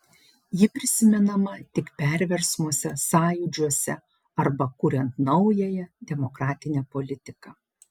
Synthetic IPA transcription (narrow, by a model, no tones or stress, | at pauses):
jɪpʲɾʲɪsʲɪmʲɛnɐmɐt̪ʲɪkpʲɛˑɾʲʋʲɛɾsmuɔsʲɛsɑːjʊd͡ʒʲuɔsʲɛ | ɐɾbɐkuːɾʲɛnt̪nɒʊjɛjɛd̪ʲɛmɔkɾɑːt̪ʲɪnʲɛpɔlʲɪt̪ʲɪkɑː